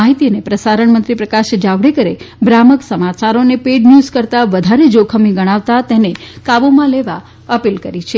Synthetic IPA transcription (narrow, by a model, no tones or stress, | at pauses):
aɦit̪iənepɾəsaɾəɳ̃mənt̪ɾipɾəkaʃd͡ʒaʋɽekəɾebɾaməksəmat͡ʃaɾonepeɖnjuzkəɾt̪aʋəd̪ʱaɾed͡ʒokʰəmiɡəɽ̃aʋt̪at̪enekabomãleʋa | əpilkəɾit͡ʃʰe